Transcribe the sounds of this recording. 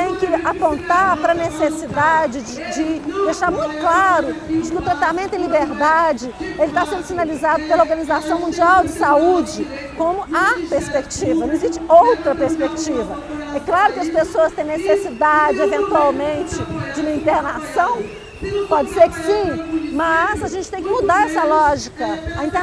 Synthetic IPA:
t̪ẽj̃kɪapõnt̪aɾpɾɐnesesid̪ad͡ʒɪd͡ʒɪd͡ʒɪd̪ejʃaɾmũj̃t̪ʊ̥klaɾʊd͡ʒɪkɪʊt̪ɾat̪amẽnt̪ʊɪ̃libeɾd̪ad͡ʒɪelɪt̪asẽnd̪ʊsinalizad̪ʊpelɐoɾɡɐ̃nizasɐ̃w̃mũd͡ʒiawd͡ʒɪsaud͡ʒɪ | kõmʊɐpeɾspekt͡ʃivɐnɐ̃w̃eziʃt͡ʃɪowt̪ɾɐpeɾspekt͡ʃivɐ | ɛklaɾʊkɪɐspesoɐst̪ẽj̃nesesid̪ad͡ʒɪevẽnt̪uawmẽnt͡ʃɪd͡ʒɪũmɐĩnt̪eɾnasɐ̃w̃ | pɔd͡ʒɪseɾkɪ̥sĩmɐzaʒẽnt͡ʃɪ̥t̪ẽj̃kɪmud̪aɾɛsɐlɔʒikɐaĩnt̪e

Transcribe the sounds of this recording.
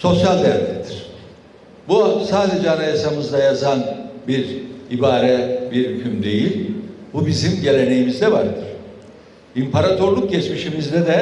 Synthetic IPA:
so̞sjalʲd̪ejaɾd̪ɛd̪iɾ̥ | busaːd̪e̞d͡ʒɛanajasamɯzd̪ajazanbiɾibaːɾɛbiɾhycʰymd̪e̞jilʲbubizimɟe̞lʲe̞ne̞jimizd̪ɛvaɾd̪ɯɾ̥ | impʰaɾat̪ʰoɾlˠuk̚ɟɛt͡ʃmiʃimizdlɛd̪ɛ

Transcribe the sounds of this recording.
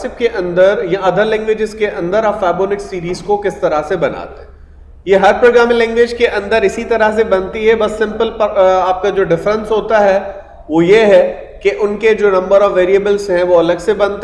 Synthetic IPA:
sɪp̚keʔɐ̃nd̪əɾjaɐd̪ʱəlɛ̃ːŋɡʋeːd͡ʒɪzkeʔɐ̃nd̪əɾaːpfɛːboːnɪksiːɾiːzkokɪst̪ɐɾəsebɐna̰ːt̪eɦɛ̃ | jeɦɐɾpɾoːɡɾaːmĩlɛ̃ːŋɡʋeːd͡ʒkeʔɐ̃nd̪əɾɪsit̪ɐɾəɦs̬ebɐ̃nt̪iɦɛbɐsːɪ̃mpəlpaːp̚kad͡ʒoːɖɪfɾə̃nsɦoːt̪aɦɛ | ʋojeɦɛ | keʔʊnked͡ʒoːnɐ̃mbəɾɔːʋeːɾiəbəlzɦɛ̃ʋoɐləɡsebɐ̃nt̪

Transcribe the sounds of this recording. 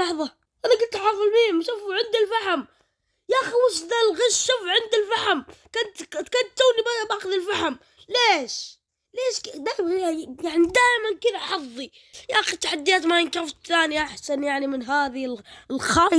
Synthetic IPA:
ɑħðˤɑ | ʔanaɡʊlt̪ħɑfˤɨlmiːmʃuːfʕɪnd̪ɪlfahm | jaʔxiwʊsd̪alɣaʃʃuːfʕɪnd̪ɪlfaħmkʊnt̪kʊnt̪ːuːlibabaːxʊðɪlfaħm | leːʃ | leːʃkd̪aːʔmɣajaʕnid̪aːʔmankɪðaʔħɑðˤːi | jaxit̪ːaħad̪ːɪjaːt̪majɪnkɾɪft̪θaːniʔaħsanjaʕnimɪnɦaːðɪllxɑː

